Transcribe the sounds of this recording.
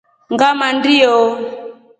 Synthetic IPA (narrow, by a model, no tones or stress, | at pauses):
ŋɡamandijɔ